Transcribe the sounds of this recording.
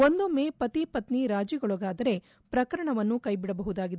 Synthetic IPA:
ond̪umepɐt̪ipɐt̪niɾaːd͡ʒjɐɡɐɭuɡaːd̪ɐɾe̞ | pɾɐkɐɾɐɳɐʋɐnːukɐjbiɽɐbɐɦud̪aːɡid̪e

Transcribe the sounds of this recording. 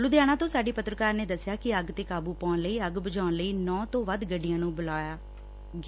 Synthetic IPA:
lʊd̪jaːɽ̃ãːt̪õːsaːɖiːpət̪ɾəkaːɾneːd̪əsːjaːkɪəɡt̪eːkaːbuːpãːnləiːəɡbəd͡ʒaːnləiːnɔ̃ːt̪õːʋəd̪ɡəɖɪjãːnũːbəlaːjaː

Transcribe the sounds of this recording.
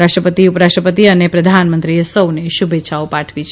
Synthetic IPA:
aʃʈɾəpət̪iupəɾaʃʈɾəpət̪iənepɾəd̪ʱanmənt̪ɾisəwneʃubʱeːʃʰaopaʈʰʋit͡ʃʰ

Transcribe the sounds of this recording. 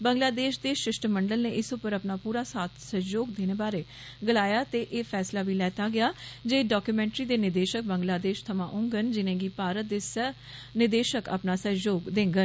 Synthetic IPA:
bəŋɡlaːd̪eːʃd̪eːʃɪʃʈəməɳɖəlneːʔɪsʊpəɾəpnaːpuːɾaːsaːt̪ʰsəjoːɡd̪eːneːbaːɾeː | ɡəlaːjaːt̪eːʔeːpʰɛːslaːʋiːlɛːt̪aːɡɪjaːd͡ʒeːɖɔːkjuːmɛ̃ːɳʈɾiːd̪eːnɪd̪eːʃək̚bəŋɡlaːd̪eːʃt̪ʰəmãːʔʊ̃ːŋɡənd͡ʒɪnẽːɡiːpaːɾət̪̚d̪eːsə | nɪd̪eːʃəkə̰pnaːsəjoːɡd̪ẽːŋɡən

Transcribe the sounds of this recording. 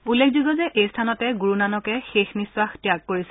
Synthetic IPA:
ulːekʰzuɡɔzɛʔejstʰanɔtɛɡuɹunanɔkɛxexniswaxtjakːoɹisɛ

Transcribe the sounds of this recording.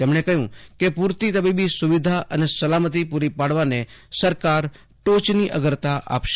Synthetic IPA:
t̪emɳekəɦjũkepuɾt̪it̪əbibisʊʋid̪ʱaʔənesəlamət̪̬ipuɾipaɽ̤ʋanesəɾkaɾ | ʈot͡ʃniʔəɡəɾt̪aʔa̰pʃ

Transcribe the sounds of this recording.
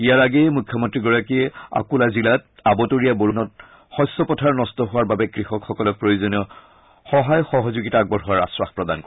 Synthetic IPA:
ijaɹaɡɛjmujkʰjɔmɔntɹiɡɔɹakiɛa̰kulazilat̚ | abɔtoɹijaboɹunɔt | xɔjsːɔpɔtʰaɹnɔstɔɦʊwaɹbabɛkɹixɔkxɔkɔlɔk̚pɹojuzɔniɔ | xɔɦajxɔɦɔzuɡitaːɡ̚bɔɹɦʊaɹa̰swaxpɹɔda̰nk

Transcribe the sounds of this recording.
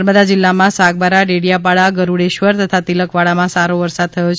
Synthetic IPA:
ɾməd̪ad͡ʒɪlːamãsaɡ̚baɾaɖeɽijapaɭaɡəɾuɽeʃʋəɾt̪ət̪ʰat̪iləkʋaɭamãsaɾoʋəɾsad̪̚t̪ʰəjot͡ʃ

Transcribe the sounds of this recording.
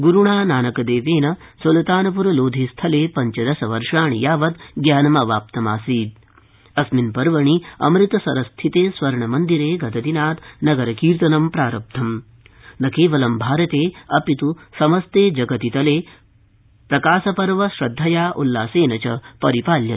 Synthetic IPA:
ɡuɾuɳaːnaːnɐkɐd̪eːʋeːnɐsolɐt̪aːnɐp̬uɾɐloːd̪ʱist̪ʰɐleːpɐɲt͡ʃɐd̪ɐsɐʋɐɾʂaːɳijaːʋɐt̪ɡjaːnɐmɐʋaːp̚t̪ɐmaːsiːd̪̚ | ɐsminpɐɾʋɐɳiɐ̰mɾɪt̪ɐsɐɾɐst̪ʰit̪eːsʋɐɾɳɐmɐnd̪iɾeːɡɐt̪ɐt̪inaːt̪nɐɡɐɾɐkiːɾt̪ɐnɐmpɾaːɾɐp̚t̪ʰɐm | nɐkeːʋɐlɐmbʱaːɾɐt̪eːɐpit̪usɐmɐst̪eːd͡ʒɐɡɐt̪it̪ɐleː | pɾɐkaːsɐpɐɾʋɐʃɾɐd̪ʱːɐjaːʔulːaːseːnɐt͡ʃɐpɐɾipaːljɐ

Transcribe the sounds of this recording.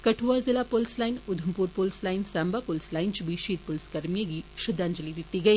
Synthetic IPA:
kɐʈʰuʋazɪlapolslaːɪnʊd̪ʱəmpuːɾpolslaːɪnsaːmbapolslaːɪnt͡ʃubʱiʃiːd̪̚pʊlskɐɾmijaɡiʃʊd̪aːnd͡ʒɐlid̪ɪt̪ːiɡɐiː

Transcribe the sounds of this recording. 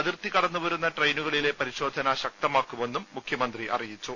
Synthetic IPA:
ɐðirt̪ikɐɽɐnːuʋɐɾunːɐʈrejnuɣɐɭile̞pɐɾiɕo̞ːd̪ʱɐnɐɕɐk̚t̪ɐmaːkːume̞nːumːukʰjɐmɐnd̪riʔɐ̰rijit͡ɕːu

